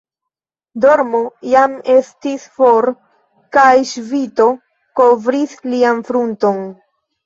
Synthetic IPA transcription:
do̞ɾmo̞jame̞stisfo̞ɾ | kajʃvito̞ | ko̞vɾislianfɾunto̞n

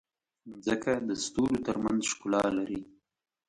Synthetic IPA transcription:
zəkad̪əst̪uɾot̪əɾmanzʃkʊlɑlaɾi

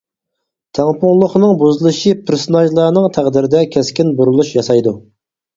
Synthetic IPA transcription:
t̪ʰɛŋpʊŋlˠʊχnɨŋbuzɨlˠɨʃɨpʰɪɾsonɑʒlˠɑnɨŋt̪ʰæʁd̪ɪɾɪd̪ɛkʲʰɛskʲɪnbuɾulˠuʃjɑsɑjd̪u

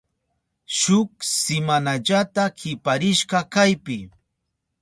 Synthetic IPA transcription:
ʃʊksɪmanaʎat̪akɪpaɾɪʃɢɑkajpɪ

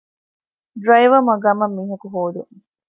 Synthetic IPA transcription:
ɖɾɐjʋɐmɐɡɐmɐmːiːɦɐkuɦoːd̪uŋ

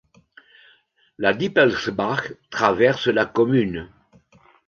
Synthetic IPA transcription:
lad̪ipɛlsbaɡt̪χavɛʁsəlakɔmyn

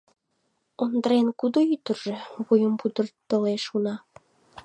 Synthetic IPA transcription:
ond̪əɾenkud̪oyt̪ərʒeβujəmpud̪ərt̪oleʃunɑ

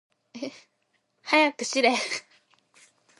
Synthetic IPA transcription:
e | hajakːɯɕiɾe

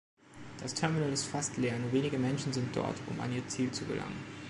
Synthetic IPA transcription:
d̥astʰɛɐminəlɪstfastʰleːɐnuːɐveːnɪɡəmɛnʃn̩zɪnt̚d̥ɔ̰ɐtʰʊ̰ma̰nʔiːɐt͡siːlt͡suɡə̰lʔa̰ŋən

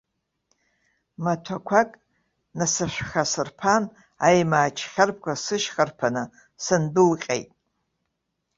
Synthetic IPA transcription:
matʷʰakʷʰakʼ | nasɨʃᶣʷχasɨrpʰan | ajmaːt͡ʃʰχʲarp̚ʰkʷʰasɨʃχarpʰanɨ | sɨndɨlqʲʼḛjtʼ

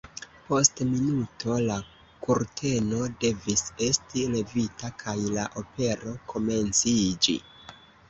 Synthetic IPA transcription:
po̞stminutʰo̞la | kuɾtʰe̞no̞de̞vise̞stile̞vitakʰajlaʔo̞pe̞ɾo̞kʰo̞me̞nt͡sid͡ʒḭ

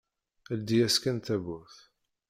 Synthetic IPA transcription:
æld̪ijæskænt̪æβʊɾθ

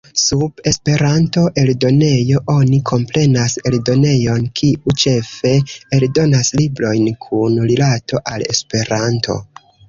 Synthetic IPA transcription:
sube̞spe̞ɾanto̞ʔe̞ldo̞ne̞jo̞ʔo̞nikʰo̞mpɾe̞nase̞ldo̞ne̞jo̞nkʰiut͡ʃe̞fe̞eldo̞naslibɾo̞jnkʰunɾilato̞ʔale̞̰spe̞ɾanto̞̰

